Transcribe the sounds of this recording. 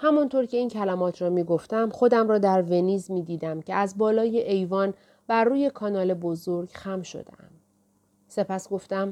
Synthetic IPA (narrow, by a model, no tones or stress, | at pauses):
hæmɒnt̪ʰoɾcʰe̞iːncʰælæmɒːt̪ʰɾɒːmiːɡo̞ft̪æmxo̞d̪æmɾɒːd̪æɾve̞niːzmiːd̪iːd̪æmcʰeæzbɒːlɒːjeʔejvɒːn | bæɾːuːje̞kʰɒːnɒːle̞bo̞zoɾɡxæmʃo̰d̪ḛæ̰m | se̞pʰæsɡ̥o̞ft̪æm